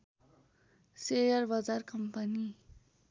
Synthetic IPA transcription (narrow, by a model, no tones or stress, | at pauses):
sejʌrbʌd͡zarkʌmpʌni